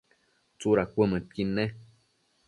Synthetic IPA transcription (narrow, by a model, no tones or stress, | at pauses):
t͡suɾakʷəmət̪̚kinːe